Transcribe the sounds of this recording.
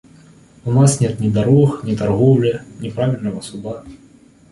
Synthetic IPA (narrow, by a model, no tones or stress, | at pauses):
unasnʲɛt̪nʲid̪aɾɔxnʲit̪arɣɔwlʲɐnʲɛpɾavʲilʲnɐɣɐsud̪a